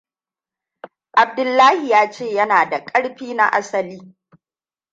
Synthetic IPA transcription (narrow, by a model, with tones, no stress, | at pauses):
ʔa˨b̚dʊ˨lːaː˦hi˨jaː˦t͡ʃeː˦˨jɐ˦naː˨da˨kʼɐ˦ɽɸiː˦na̰˦ʔa̰˦sɐ˨liː˦